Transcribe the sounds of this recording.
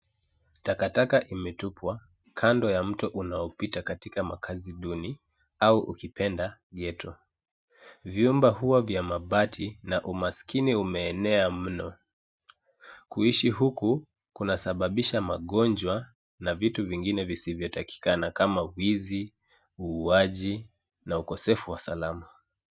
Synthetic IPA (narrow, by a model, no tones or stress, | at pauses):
takatakaʔimɛtupʰwa | kʰandɔjam̩tɔʔunaɔpitakatikama̰kʰaziɗuni | auʔṵkipʰɛndaɠɛtɔ | vjumbahuavjamaɓatʰinaʔumaskiniumɛːnɛam̩nɔ | kuiʃiɦuku | kunasaɓaɓiʃamaɠɔnd͡ʒwa | navituviŋɡinɛvisivjɔtaki̥kanakamawizi | uːaʄi | naukɔsɛfuwasalama